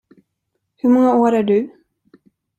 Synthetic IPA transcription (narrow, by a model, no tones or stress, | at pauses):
hɵɾmɔŋːaoːɾæɖɵ